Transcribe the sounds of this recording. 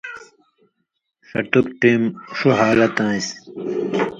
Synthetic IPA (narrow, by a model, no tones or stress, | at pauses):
sɐ̰ʈukʈiːmʂuɦaːlɐt̪ãːis